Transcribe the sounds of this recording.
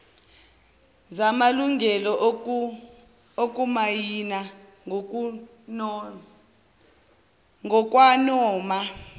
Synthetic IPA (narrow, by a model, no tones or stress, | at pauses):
zamaluŋɡʱɛlɔ | okʼumajina | ŋʱɔkʼwanɔːma